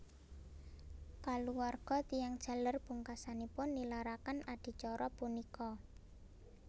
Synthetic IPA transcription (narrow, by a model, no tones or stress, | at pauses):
kaluwarɡ̥ɔ̤t̪ijaŋd̥ʒ̥ä̤lərb̥uŋkasanipʊnːilaɾakanaɖ̥i̤t͡ʃɔɾɔpunikɔ